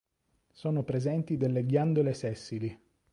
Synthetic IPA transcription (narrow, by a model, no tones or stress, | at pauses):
soːnopɾezɛnt̪id̪elːeɡjand̪olesɛsːili